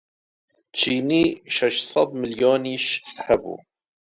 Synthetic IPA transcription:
t͡ʃʰiːniʃɛʃsˤɑd̪ˤmɪljoːniʃhæbṵː

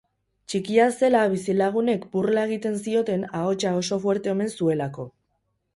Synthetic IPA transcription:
t͡ʃikiase̞laβisilaɣ̞une̞kburlae̞ɣ̞it̪e̞ns̬io̞t̪e̞nao̞t͡ʃao̞so̞fwe̞ɾt̪e̞ome̞nsue̞lako̞

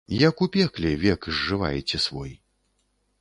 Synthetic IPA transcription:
jɐkupʲɛklʲɛvʲɛkzːɨva̰jɛt͡sʲɛsvɔj

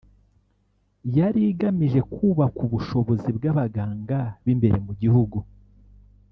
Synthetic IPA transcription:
jaɾiɡamiʒe̞kʰuːβakuβuʃo̞βo̞zibɡaβaɡaːŋɡaβimbe̞ɾe̞muɟihuɡu

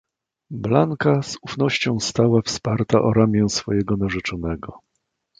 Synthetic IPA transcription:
blaŋkazufn̪ɔɕt͡ɕɔ̃w̃st̪awafspaɾt̪aʔɔɾamʲjɛ̃w̃sfɔjɛɡɔnaʐɛt͡ʂɔnɛɡɔ

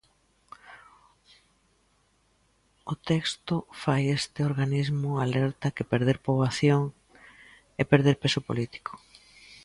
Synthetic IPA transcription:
ot̪ɛkst̪ʊfajest̪ɪoɾɣanizmʊalɛɾt̪akepeɾðeɾpoβaθjoŋ | epeɾð̞eɾpesopo̰lit̪i̥ko̥

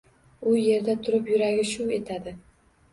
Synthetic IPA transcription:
ʊje̞ɾd̪at̪ʰʊɾɪpjʊɾaɡʲɪʃʊe̞t̪ʰad̪ɪ

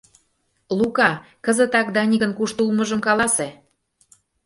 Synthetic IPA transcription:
lukɑ | kə̆zə̆t̪ɑk̚d̪ɑnʲiɣə̆nkuʃt̪ulmɤʒə̆mkɑlɑse

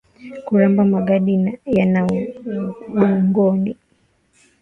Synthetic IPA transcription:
kuɾambamaɡaɗinajana | ɗuŋɡɔni

